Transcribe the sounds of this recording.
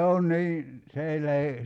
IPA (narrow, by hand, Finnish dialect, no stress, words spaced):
se on̆ niː se ei læhe